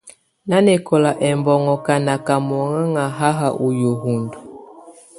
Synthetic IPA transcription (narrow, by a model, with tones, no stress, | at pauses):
na˦nɛ˨kɔ˨la˨ʔɛ˨mbɔ˨ŋɔ˨ka˨na˨ka˨m˨ɔ˨ŋa˦ŋa˨ɦa˦ɦa˨ʔu˨jo˨ɦu˨ndu˨